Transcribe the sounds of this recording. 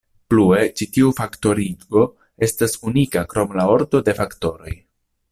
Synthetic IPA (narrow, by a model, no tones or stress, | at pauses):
plue̞t͡ʃitiufakto̞ɾio̞ | e̞stasunikakɾo̞mlao̞ɾto̞de̞fakto̞ɾo̞̰j